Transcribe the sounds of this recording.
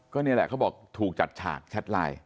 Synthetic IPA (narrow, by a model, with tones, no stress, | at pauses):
kɔː˥˩ni˥˩ɐlɛ̰˨˩kʰa˦˥wbɔː˨˩k̚t̪ʰuː˨˩k̚t͡ɕa̰˨˩t̪̚t͡ɕʰa̰ː˨˩k̚t͡ɕʰa˦˥t̪̚la̰ː˧j